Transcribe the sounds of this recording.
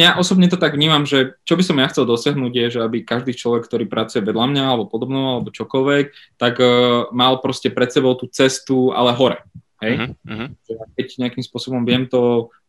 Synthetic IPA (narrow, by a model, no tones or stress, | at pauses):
jaʔɔsɔbɲɛt̪ɔt̪aɡʋɲiːmamʒɛt͡ʃɔbisɔmjaxt͡sɛlˠd̪ɔsɪaɦnuːɟjɛʒɛabikaʒd̪iːt͡ʃlɔʋɛkːt̪ɔɾiːpɾʔat͡sujɛʋɛd̪lamɲaalɛbɔpɔd̪ɔbnɔalɛbɔt͡ʃɔkɔlʋɛk̚t̪aɡmalpɾɔscɛpɾɛt̪sɛbɔʊt̪uːt͡sɛst̪ua̰lɛɦɔɾɛ̰ɦɛjʒ̥ɛjak̚ɛcɲɛakimspʊɔsɔbɔmʋɪɛmt̪ɔ